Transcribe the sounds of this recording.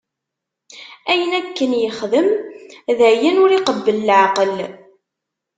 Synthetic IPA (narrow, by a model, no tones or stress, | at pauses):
æjənækːənjəχðəmðəʕjænʊɾiqəbːəllʕaqəl